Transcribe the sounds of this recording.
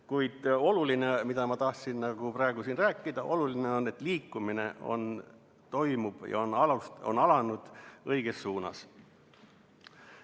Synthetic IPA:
kujd̪̥o̞lulinemid̪̥ɑmɑt̪ɑht̪sinnɑɡ̥uprɑe̞ɡ̥usinræːkːˑid̪̥ɑʔo̞lulineo̞nːe̞t̪ːliːkːˑumine̞̰ʔo̞̰n | t̪o̞jmub̥jɑ̰onɑluso̰nɑlɑnud̪̥ɤjɡ̥e̞sːuːnɑ̰s

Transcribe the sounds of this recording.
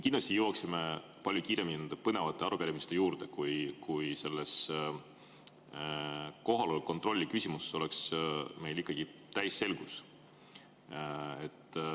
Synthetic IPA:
ekinlɑsʲt̪ijuwɑksime̞ | pɑlʲjukiːɾe̞mːininend̪epɤne̞vɑt̪ːˑe̞ɑɾukæɾʲimist̪e̞juːɾd̪e̞kujkujse̞lːes | ko̞ɦɑlolkːo̞nt̪ˑro̞lʲːikysʲimuseso̞le̞ksme̞jlikːˑɑɡ̥it̪æjsːe̞lɡ̥us | e̞t̪ːˑ

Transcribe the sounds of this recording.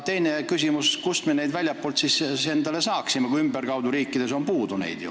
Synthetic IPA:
t̪e̞jne̞kysʲimuskust̪mene̞jd̪vælʲjɑpːˑoːlt̪sisse̞nd̪ɑle̞sɑːksimekuiymberkɑwd̪uɾiːkːˑid̪̥e̞so̞mpuːd̪unḛjd̪̥jṵ

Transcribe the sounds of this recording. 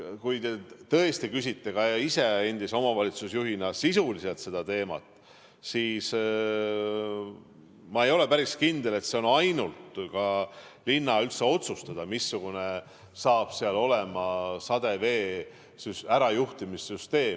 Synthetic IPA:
kujt̪e̞t̪ɤest̪ikysit̪ːe̞kɑise̞enʲd̪iso̞mɑvɑlʲit̪susjuɦinɑsisulise̞lt̪se̞d̪̥ɑt̪e̞ːmɑ̰t̪ːˑ | siːs | mɑe̞jo̞le̞pæɾiskind̪̥ele̞t̪se̞o̞nɑjnult̪kɑlinːɑylt̪se̞o̞t̪sust̪ɑd̪̥ɑmisːuɡ̥une̞ | sɑːb̥seɑlo̞le̞mɑsɑd̪̥e̞ve̞ː | sysæɾɑjuht̪imisːyst̪e̞ː

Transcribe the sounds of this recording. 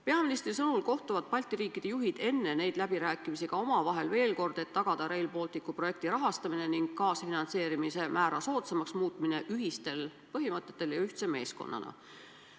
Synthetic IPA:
pe̞ɑminist̪risɤnulko̞ht̪uvɑd̪̚pɑlʲt̪ːˑiɾiːkːˑid̪̥e̞juɦid̪̥e̞nːe̞ne̞jd̪læb̥iɾæːkːˑimisiɡ̥ɑo̞mɑvɑɦe̞lve̞ːlko̞rd̪̥e̞t̪ːɑɡ̥ɑd̪̥ɑɾe̞jlpo̞ːlt̪ːˑikːˑupro̞je̞kt̪iɾɑɦɑst̪ɑmine̞niŋɡ̥kɑːsfinɑnse̞ːɾimise̞mʔæːɾɑso̞ːt̪semɑksmuːt̪ˑmine̞ʔyɦist̪e̞l | pɤɦimɤt̪ˑːe̞t̪ːˑe̞ljɑyht̪seme̞ːsko̞̰nːɑ̰nɑ̰

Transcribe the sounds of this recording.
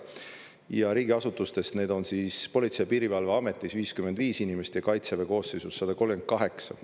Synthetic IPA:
jɑɾiːɡʲiɑsut̪ˑust̪e̞st̪ne̞ːd̪o̞nsiːspo̞lʲit̪se̞jpiːɾivɑlveɑme̞t̪ˑːisviːskymend̪viːsinimest̪jɑkɑjt̪seveko̞ːsːe̞jsusːɑd̪̥ɑko̞lɡend̪̚kɑɦe̞ksɑ̰

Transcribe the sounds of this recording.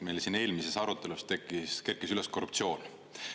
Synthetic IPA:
mejlsinːe̞ːlmise̞sɑɾut̪ːˑe̞lust̪ekiske̞rkːisylesko̞rupt̪sio̞ːn

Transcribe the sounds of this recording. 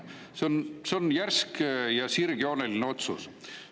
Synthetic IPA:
seonseo̞njærskjɑsirɡ̥io̞nelineo̞t̪sṵs

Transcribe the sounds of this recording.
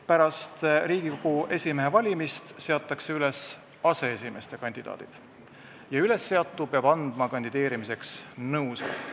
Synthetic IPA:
pæɾɑst̪riːɡ̥ikoɡ̥uʔe̞sʲimeɦevɑlʲimist̪se̞ɑt̪ːˑɑkse̞yle̞s | ɑse̞esʲime̞st̪e̞kɑnʲd̪̥id̪ɑ̰ːd̪̥id̪̥ | jɑyle̞sːe̞ɑt̪ːˑupe̞ɑb̥ɑnd̪̥mɑkɑnʲd̪̥id̪e̞ːɾimise̞ksnɤwsɑ̰

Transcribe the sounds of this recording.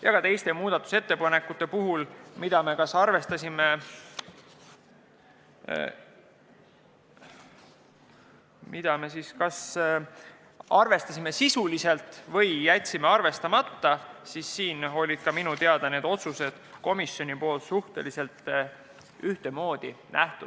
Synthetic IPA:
jɑkɑt̪e̞jst̪e̞muːd̪̥ɑt̪ːˑu̥se̞t̪ːe̞pɑne̞kːˑut̪ːˑe̞puɦulmid̪̥ɑme̞kɑsɑrve̞st̪ɑsime̞ | mid̪̥ɑme̞siskɑs | ɑrve̞st̪ɑsʲime̞sisulise̞lt̪ˑvɤ̞jːæt̪ʲsime̞ɑrve̞st̪ɑmɑt̪ːɑsisːiːno̞lʲid̪̥kɑminut̪eɑd̪̥ɑne̞ːd̪o̞t̪suse̞d̪̥ko̞misʲːjo̞nʲipo̞ːlt̪suht̪e̞lise̞lt̪ | yht̪e̞mo̞ːd̪̥inʔæht̪ud̥

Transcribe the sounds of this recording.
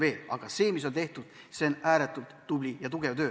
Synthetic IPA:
ve̞ːlɑɡ̥ɑse̞ːmis̬o̞nt̪e̞ht̪ud̪̥ | se̞næːɾet̪ːˑult̪ːublʲijɑt̪uɡ̥e̞vt̪ø̞ː

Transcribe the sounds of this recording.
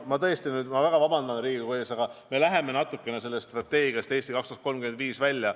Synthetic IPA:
mɑt̪ɤ̞jest̪inyːd̪mɑvæɡ̥ɑvɑbɑnd̪ɑnriːɡikojɑsɑɡ̥ɑme̞læɦe̞me̞nɑt̪ːˑukːˑe̞nese̞lːest̪ːst̪rɑt̪ːe̞ːɡijɑst̪e̞ːst̪ikɑkst̪uhɑt̪ko̞lmkymed̪viːsvælʲːjɑ

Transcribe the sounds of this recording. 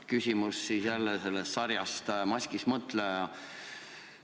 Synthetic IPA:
kysʲimusːisjælːese̞lːest̪sɑɾjɑst̪mɑsʲkismɤt̪ˑlejɑ

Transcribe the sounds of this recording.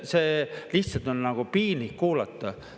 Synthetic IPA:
seːliht̪sɑlt̪onnɑɡ̥upiːnikkuːlɑt̪ːˑɑ

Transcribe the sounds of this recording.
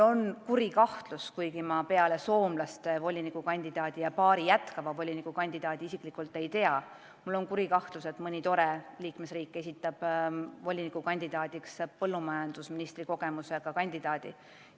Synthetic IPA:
o̞nkuɾikɑht̪luskujɡimɑpe̞ɑle̞so̞ːmlɑst̪evo̞lʲinikukɑnʲd̪id̪̥ɑːd̪̥ʲijɑpɑːɾijæt̪kɑvɑvo̞lʲinikːukɑnʲd̪̥id̪ɑːd̪̥iisikˑlikːˑult̪ːˑe̞jt̪e̞ɑ | mulːo̞nkuɾikɑht̪luse̞t̪ˑmɤnʲit̪o̞ɾe̞liːkme̞sriːkˑːe̞s̬ʲit̪ːˑɑb̥vo̞lʲinikukɑnʲd̪id̪ɑːd̪̥ikspɤlːumɑjɑnd̪̥usminist̪riko̞ɡ̥e̞muse̞ɡ̥ɑkɑnʲd̪̥id̪̥ɑːd̪̥i

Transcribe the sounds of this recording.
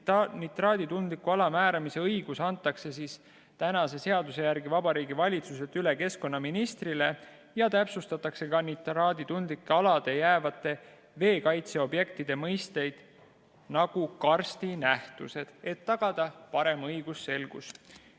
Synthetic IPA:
nit̪rɑːd̪it̪und̪likuɑlɑmæːɾɑmise̞ɤjɡ̥usɑnt̪ːˑɑkse̞sis | t̪ænɑse̞se̞ɑd̪use̞jæɾɡivɑbɑɾiːɡivɑlʲit̪sus̬et̪yle̞ke̞sko̞nːɑminist̪rile̞ | jɑt̪æpsust̪ɑt̪ːˑɑkse̞kɑnit̪rɑːd̪it̪und̪likːˑeɑlɑd̪̥e̞jæːvɑt̪ːˑe̞ | ve̞ːkɑjt̪se̞o̞bje̞k̚t̪id̪̥e̞mɤjst̪e̞jd̪̥ | nɑɡ̥ukɑrst̪inæht̪use̞d̪̥e̞t̪ːɑɡ̥ɑd̪̥ɑpɑɾe̞mɤjɡ̥usːe̞lɡ̥ṵs

